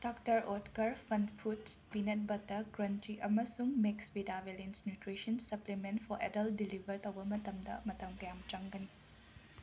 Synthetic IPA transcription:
d̥ɔktɐɾɔtkɐɾpʰɐnpʰutspinet̚bɐtːɐɡɾɐntiʔɐmɐsuŋmeksbidabelinsnjutɾiʃɐnsɐplimentfʰɔɾʔḛdɐldilibɐɾtɐwbɐmɐtɐmdɐ̰mɐtɐmkɐjamt͡ʃɐŋɡɐni

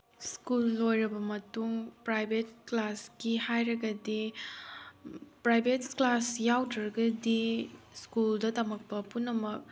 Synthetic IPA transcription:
skulːojɾɐbɐmɐtuŋpɾajbʱet̚klaskihajɾɐɡɐdi | pɾajbʱetklasjawdɾɐɾɐɡɐdiskuldɐtɐmɐk̚pɐpunːɐmɐk̚

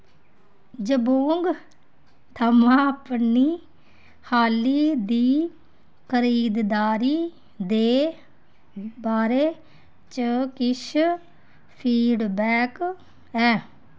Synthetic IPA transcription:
d͡ʒəboːŋɡ | t̪ʰəmãːəpniː | haːliːd̪iː | kəɾiːd̪d̪aːɾiː | d̪eː | baːɾeː | t͡ʃəkɪʃ | pʰiːɖbɛːk | ɛː

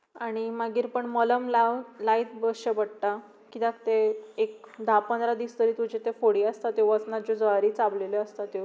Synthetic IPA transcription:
aɽ̃imaɡiːɾpəɳmələmlalait̪bəɕəbəɽʈ̪a | kid̪at̪eek̚d̪ʱapənd̪ɾad̪iːst̪əɾiːt̪ud͡ʑet̪efoɽiːast̪at̪eʋət͡snad͡ʑɔd͡zoaɾiːt͡sableləəst̪at̪e

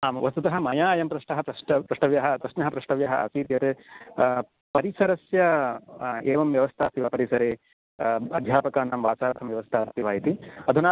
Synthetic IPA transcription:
aːmʋɐst̪ut̪ɐɦɐmɐjaːjɐmpɾɐʂʈɐɦɐpɾɐʈɐpɾɐʂʈɐʋjɐɦɐtɾɐʃnɐɦɐpɾɐʂʈɐʋjɐɦɐʔɐ̰siːɾjɐɾe | pɐɾisɐɾɐsjɐ | eːʋɐmʋjɐʋɐst̪ʰaːst̪ːiʋɐpɐɾisɐɾeː | ɐd̪ʱjaːpɐkaːnaːmʋaːt͡ʃaːɾɐt̪ʰɐmʋjɐʋɐst̪ʰaːst̪iʋaːjit̪iɐd̪ʱunaː

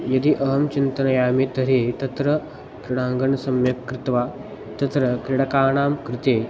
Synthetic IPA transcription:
jɐd̪iʔɐɦɐmt͡ɕint̪ɐnɐjaːmet̪ɐɾet̪ɐt̪ɾə | kɾiɽãːŋɡɐɳsɐmjɐkːɾɪt̪ʋaː | t̪ɐt̪ɾɐkɾiɽɐkaːɳ̃aːmkɾɪt̪eː

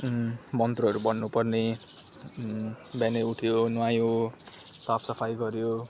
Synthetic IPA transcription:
mʌnt̪ruɦʌɾubʌnːupʌrne | bjaneuʈʰjonuwãjõ | sapʰsʌpʰajɡʌɾjo

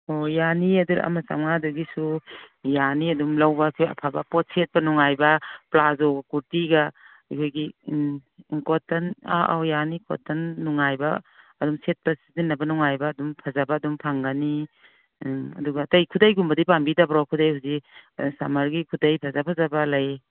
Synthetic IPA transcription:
ɔjaniɐduɾa̰masa̰mŋaduɡisujaniɐdumlawbakʰɔja̰pʰabapɔt̚set̚pɐnɔŋajbɐplazɔɡakuɾtiɡa | ikʰɔjɡi | ŋkɔtana̰ʔa̰wjanikɔ̰tːanːɔŋajba̰ːdɔmset̚pasidinːabanɔŋajbaːdumpʰazabaːdumpʰaŋɡani | ɐ̰duɡatajkʰudajɡumbɐdipambidabɾawkʰudajhuzisamaɾɡikʰudajpʰazapʰazabalaj

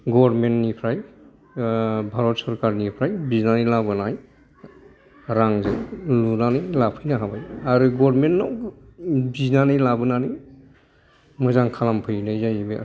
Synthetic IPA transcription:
ɡɔɾmentnipʰɾaj | bʱaɾɔt̚sɔɾkaɾnipʰɾajbiznanɯjlabɯnaj | ɾaŋzɯjlunanɯjlapʰɯjnaɦabajaɾɯɡɔɾmentːɔw | biznanɯjlabɯnanij | mɯzaŋkʰalampʰɯjnɯzajbe

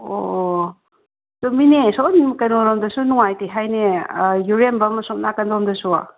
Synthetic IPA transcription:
o | tominesɔnkɐnoɾɔmdɐsunuŋajteɦajnejuɾembɐmɐsɔʔnakɐndomdɐsua̰

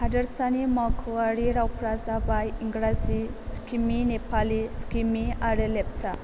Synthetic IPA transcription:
hadɐɾsanimakʰuaɾiɾawpʰɾazabajiŋɡɾaziskiminepʰaliskimiaɾɯlep̚t͡ʃa

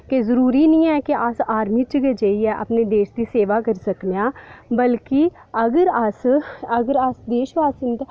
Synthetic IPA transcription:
kezəɾuːɾiːnĩːɛːkeʔasaːɾmiːt͡ʃɡed͡ʒeiːɛːʔə̰pneːd̪eːʃd̪iːseːʋaːkəɾsəknjaːbəlkɪ | əɡəɾəsəɡəɾəsd̪eːʃʋaːsənt̪

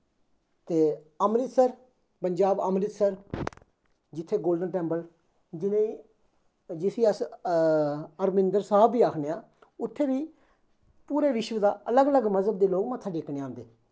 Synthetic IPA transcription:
t̪eː | əmɾɪt̪səɾ | pəɲd͡ʒaːbəmɾɪt̪səɾ | d͡ʒɪt̪ʰːeːɡoːlɖənʈɛ̃ːmpəl | d͡ʒɪnẽːi | d͡ʒɪsiːəs | əɾmɪnd̪əɾsaaːbːiːaːkʰneːaː | ʊt̪ʰːeːʋiː | puːɾeːʋɪʃʋəd̪aːələɡələɡməzəb̚d̪eːloːkmət̪ʰːaːɖeːknẽːãːnd̪eː

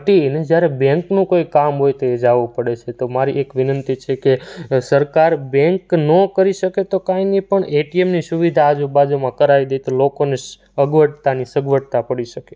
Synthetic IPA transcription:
ʈined͡ʒjaɾebɛ̃ŋknũkojkamɦojt̪oed͡ʒaʋũpəɽet͡ʃʰet̪omaɾiʔekʋɪnənt̪it͡ʃʰekesəɾkaɾbɛ̃ŋknəkəɾiʃəket̪okãinipəɳeʈiemnisuʋid̪ʱaːd͡ʒubad͡ʒumãkəɾaid̪ejt̪olokone | əɡʋəʈt̪anisəɡʋəʈt̪apəɽiʃəke

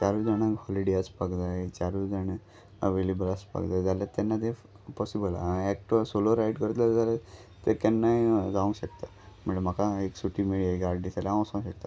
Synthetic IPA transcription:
t͡ɕaɾud͡zaɽ̃aɡɦɔliɽijaspakd͡zaet͡ɕaɾud͡zaɽ̃ə | əʋelebəlaspa̰kd͡zajd͡zaljat̪ːanːat̪e | pɔsibəlaɛk̚ʈsoloɾaiɖkəɾt̪laɾd͡zalat̪ek̪anːaiɡaʋũŋɡɕəkt̪a | m̤əɳlm̤akaeksuʈʰimeɽiaiɡaɾɖdisalãw̃sãɕək̚t̪a

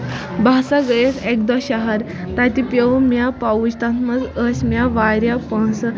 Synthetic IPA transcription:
basaɡəjesek̚d̪ɔɕaɦaɾ | t̪at̪ipjəʋmjapaud͡ʑt̪ãnt̪məd͡zəsmjaʋaɾjapə̃s

